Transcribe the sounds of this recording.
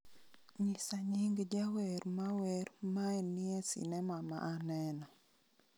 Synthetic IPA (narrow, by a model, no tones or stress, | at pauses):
ɲisaɲiŋɡd͡ʒaweɾmaweɾmaɛniɛsḭnɛmama̰ʔːnɛnɔ